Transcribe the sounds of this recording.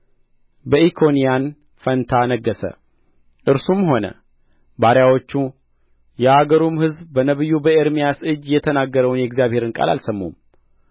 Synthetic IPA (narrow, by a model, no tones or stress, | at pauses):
bəʔikʰo̞nijan | fənt̪ʰanəɡːəsə̰ | ʔɨɾsumho̞nə̰ | baɾjawo̞t͡ʃːu | jɛhaɡəɾumhɨzbːənəβɨjːubəeɾmijasɨd͡ʒjɛt̪ʰənaɡːəɾəwnjɛɡzijaβhe̞ɾɨnkʼa̰la̰lsəmːṵm